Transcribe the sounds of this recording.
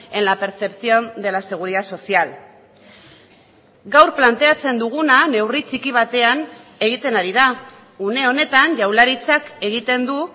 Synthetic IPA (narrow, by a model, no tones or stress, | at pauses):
e̞nlape̞ɾt͡se̞pθio̞nd̪e̞lase̞ɣ̞uɾiðaso̞sial | ɡawɾplant̪e̞at͡se̞nd̪uɣ̞unane̞writ͡sikiβ̞at̪e̞ane̞ɣ̞it̪e̞naɾiða | une̞o̞ne̞t̪anʝawlaɾit͡sake̞ɣ̞it̪e̞nd̪u